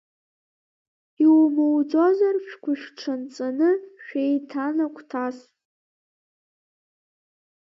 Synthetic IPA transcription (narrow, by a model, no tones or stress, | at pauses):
iwmowd͡zozarʃᶣkʷʊʃᶣʈ͡ʂʰant͡sʼanɨʃᶣejtʰanakʷʰʼtʰas